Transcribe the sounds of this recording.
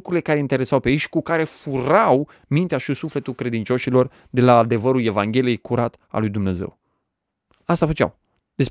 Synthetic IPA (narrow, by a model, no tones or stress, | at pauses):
kɾuile̞kaɾe̞int̪e̞ɾe̞sawpejeʃi̥kukaɾe̞fuɾaw | mint̪eaʃisufle̞t̪ulkɾe̞d̪int͡ʃo̞ʃilo̞r | d̪e̞laːd̪e̞vəɾule̞vaŋɡʲe̞lije̞jkuɾat̪ | a̰lujd̪umne̞zḛw | ast̪afət͡ʃa̰w | d̪̥es